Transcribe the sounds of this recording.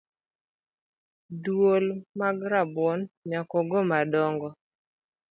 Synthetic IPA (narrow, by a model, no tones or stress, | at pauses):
dwolmaɡɾabɔnɲakɔɡɔmadɔŋɡɔ